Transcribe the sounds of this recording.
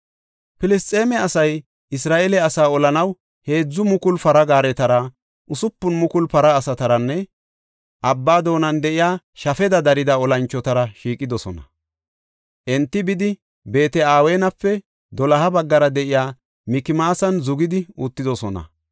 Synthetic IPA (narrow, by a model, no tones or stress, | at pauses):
pɪlɪst̪ʼːe̞ːmɛɐsɐj | ɪsɾaːʔɛlɛɐsaːɔlɐnɐw | he̞ːd͡zːʊmʊkʊlpɐɾɐɡaːɾɛt̪ɐɾɐ | ʔʊsʊpːʊnmʊkʊlpɐɾɐːsɐt̪ɐɾɐnːɛ | ʔɐbːaːd̪o̞ːnɐnd̪ɛʔɪjaː | ʃɐfɛd̪ɐd̪ɐɾɪd̪ɐɔlɐnt͡ʃːɔt̪ɐɾɐʃiːkʼɪd̪ɔsɔnɐ | ʔɛnt̪ːɪbɪd̪ɪ | be̞ːt̪ɛaːwe̞ːnɐpːɛ | d̪ɔlɐhɐbɐɡːɐɾɐd̪ɛʔɪjaː | mɪkɪmaːsɐnzʊɡɪd̪ɪut̪ːɪd̪ɔsɔnɐ̰